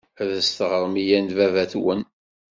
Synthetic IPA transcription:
æðəst̪ʁəɾˤmijænvævæθwən

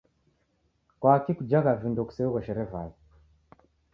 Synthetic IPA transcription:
kwaːkikud͡ʒaɣavindɔku̥sɛuɣɔʃɛɾɛvali

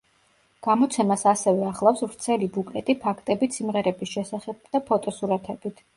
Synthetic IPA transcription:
ɡ̥amɔt̪sʰɛmasasɛvɛaχlˠafsvɾt̪sʰɛlibukʼlɛt̪ʼipʰakʰt̪ʼɛbit̪simʁɛɾɛbisʃɛsaχɛb̚d̪̥apʰɔt̪ʼɔsuɾat̪ʰɛbit̪ʰ

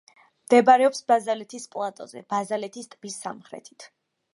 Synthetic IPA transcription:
md̪̥ɛbaɾɛɔpsbazalɛt̪ʰispʼlˠat̪ʼɔ̰zɛ̰bazalɛt̪ʰist̪ʼbisːa̰mχɾɛ̰t̪ʰi̥t̪ʰ

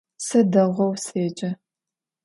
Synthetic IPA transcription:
sɐdɐʁʷɔwseːd͡ʒʼɐ

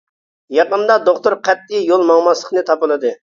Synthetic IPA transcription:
jɑqənd̪ɑd̪oχt̪ʊɾqʰɛt̪̚ːɪjolˠmɑŋmɑslˠə̥χnɨt̪ʰɑpɨlˠɨd̪ɨ

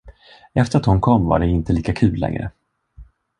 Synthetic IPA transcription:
ɛft̪əɾat̪hʊnkʰɔmːva̰ɖɛɪnt̪əliːkakʰʉ̟ːlːɛ̰ŋɾə̰

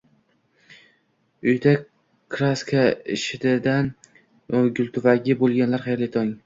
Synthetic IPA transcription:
ʊjd̪a | kʰɾaskʰaɪʃɪd̪ɪd̪an | ɡʲʊlʲˠt̪ʰʊvaɡʲɪbolˠɡʲanlaɾχajlɪt̪ʰɒŋ

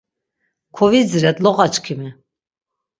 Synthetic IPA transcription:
kʰɔvizɾɛt̪lɔʁat͡ʃkʰimi

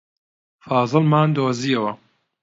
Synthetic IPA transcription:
fɑːzˤɨlmaːnd̪oːziɐwɐ

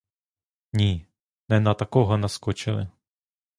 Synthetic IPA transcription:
ɲiː | nɛnat̪akowɦɔnaskɔt͡ʃɪlɪ̰

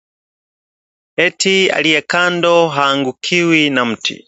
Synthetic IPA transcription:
ɛtʰia̰lijɛkʰandɔɦaːŋɡukʰiwinam̩tʰḭ

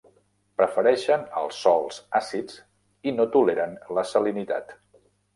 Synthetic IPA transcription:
pɾəfəɾɛʃənə̰lˠsːɔlˠzasid͡z | inot̪uleɾənləsəlinit̪a̰t̪

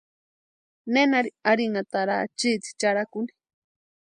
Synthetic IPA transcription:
nenaɾiaɾinat̪aɾa̰t͡ʃit͡si̥t͡ʃaɾakuni̥

